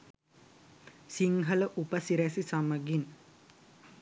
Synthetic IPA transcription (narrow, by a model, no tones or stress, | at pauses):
siŋɡɐləʔupəsiɾæsisɐməɡin